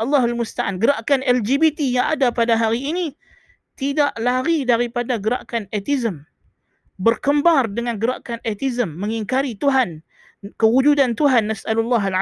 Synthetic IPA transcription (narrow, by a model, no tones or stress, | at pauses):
ʔɑlːɑɦalmust̪aʔanɡəɾaʔkanʔɛld͡ʒibit̪ijaŋa̰dapadaɦaɾiːni | t̪idaʔlaɾidaɾipadaɡəɾa̰ʔkanɛt̪izəm | bərkəmbardəŋanɡəɾa̰ʔkanɛt̪izəmːəŋiŋkaɾit̪uɦan | kəwud͡ʒudant̪uɦanːasʔalulːaɦala